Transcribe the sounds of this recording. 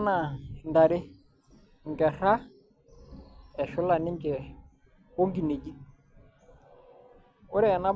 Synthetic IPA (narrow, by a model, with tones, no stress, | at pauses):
na˨nda˨ɾɪ˦ | ŋ̩˨kɛ˨ɾa˦ | ɛ˨ʃʊ˦la˨nɪ˦ŋ˦kɛ˨ | ko˦ŋɡi˨ne˨d͡ʒi˦ | ʊ˦ɾɛ˦˨na˦b